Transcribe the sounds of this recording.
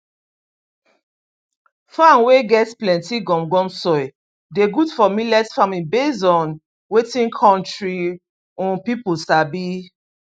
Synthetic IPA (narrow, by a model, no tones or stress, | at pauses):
fãnweɡɛtplɛ̃ntiɡɔ̃mɡɔ̃msɔj | deɡudfɔmilɛtfãmĩnbezɔ̃n | wetĩnkʰɔ̃ntɹi | ɔ̃npipulsabi